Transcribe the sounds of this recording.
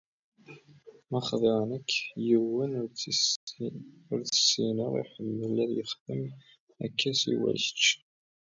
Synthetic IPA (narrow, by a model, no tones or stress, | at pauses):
mɑχðˤɪʁnəkːjiwən | ʊɾθə̥sːinəʁḭħəmːəlæðjəχðəm | ækːæsḭwæ̰ç̥t͡ʃː